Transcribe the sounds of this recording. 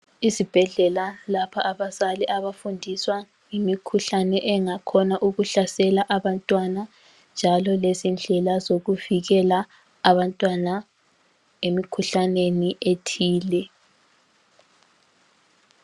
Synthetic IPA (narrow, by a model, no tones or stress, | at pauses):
izib̥ʱɛɮɛlalapʰaʔaβazaliʔaβafundʱiswa | ŋimikʰuɬanɛʔɛŋakʰɔnaʔuɣuɬasɛlaʔaβantʼwana | nd͡ʒʱalɔlezind͡ɮʱɛlazoɣuviɣɛlaː | βantʼwana | emikʰuɬaneniʔetʰiːlɛ